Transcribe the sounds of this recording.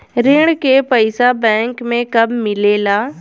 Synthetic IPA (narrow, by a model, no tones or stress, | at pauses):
ɾeːɽ̃kepəɪsabɛ̃ːŋkmẽkɐbmɪleːlaː